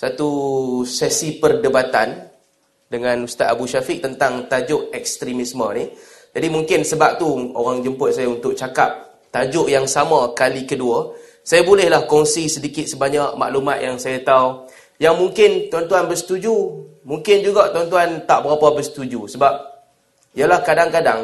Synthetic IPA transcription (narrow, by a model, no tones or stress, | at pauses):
sat̪usɛsipərdəbat̪an | dəŋãnust̪at̪̚abuʃafɪʔ̚t̪ənt̪aŋt̪ad͡ʒʊʔɛkst̪ɾimismənih | d͡ʒadimuŋkɪnsəbap̚t̪uo̰ɾaŋd͡ʒəmpʊt̪̚sajaunt̪ʊk̚t͡ʃakap̚ | t̪ad͡ʒʊʔjaŋsamãkalikədua | sajabulɛhlahkɔŋsisədikɪt̪̚səbaɲaʔma̰ʔlumãt̪̚jaŋsajat̪au | jaŋmuŋkɪnt̪ant̪uanbərsə̥t̪ud͡ʒumuŋkɪnd͡ʒuɡaʔt̪ant̪uant̪aʔbəɾapabəsə̥t̪ud͡ʒusəbap̚ | ijalahkadaŋkadaŋ